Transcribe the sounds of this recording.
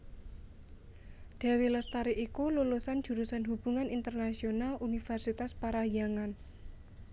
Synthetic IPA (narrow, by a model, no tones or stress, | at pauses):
ɖ̪̥a̤wiləst̪aɾiʔikululusand͡ʒ̥ṳɾusanɦub̥ṳŋanint̪ərnasionalʔunifɛrsit̪aspaɾajaŋan